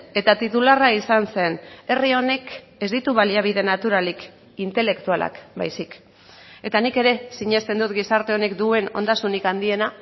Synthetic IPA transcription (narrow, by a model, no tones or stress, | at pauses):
e̞t̪at̪it̪ularaisanse̞ne̞rio̞ne̞k | e̞zd̪it̪uβaliaβ̞iðe̞nat̪uɾalik | int̪e̞le̞kt̪ualʔa̰kba̰jsik | e̞t̪anike̞ɾe̞siɲe̞st̪e̞nd̪ut̪ɡisaɾt̪e̞o̞ne̞kd̪ue̞no̞̰nd̪asunikand̪ie̞na